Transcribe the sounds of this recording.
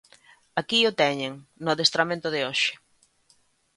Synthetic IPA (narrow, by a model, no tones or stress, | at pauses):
akiʊt̪ɛɲeŋnʊðest̪ɾamẽnt̪ʊðɪoʃɪ̥